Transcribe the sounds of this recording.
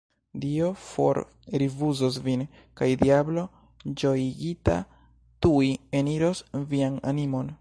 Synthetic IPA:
dio̞fo̞̰ɾ | ɾivuzosvin | kajdiablo̞ | d͡ʒo̞iɡita̰ | tuie̞niɾo̞sviana̰nimo̞n

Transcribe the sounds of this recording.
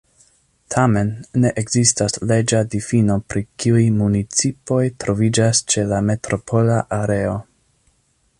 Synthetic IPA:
tʰame̞nːe̞ʔeɡzistasle̞d͡ʒadifino̞pɾikiujmunit͡sipo̞jtɾo̞vid͡ʒast͡ʃe̞lame̞tɾo̞pʰo̞laʔaɾe̞o̞

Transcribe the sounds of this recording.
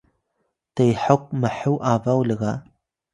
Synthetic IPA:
tʰɐjħəqʷmɨħɨwʔaːvɐwlɨɣa

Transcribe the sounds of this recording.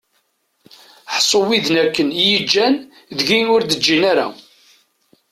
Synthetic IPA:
ħsˤowiðnækːənjəd͡ʒːæn | ðəʝinʊɾd̪əd͡ʒːinaɾa̰

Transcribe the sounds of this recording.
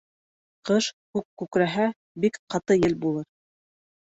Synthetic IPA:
qɤʃkʉkːʉkɾæɦæ | bikqɑt̪ɤjɘlbulˠɤɾ

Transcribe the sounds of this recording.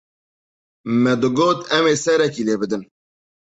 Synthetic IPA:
mɛd̪ɨɡoːt̪ɛmeːsɛɾɛkiːleːbɨd̪ɨn

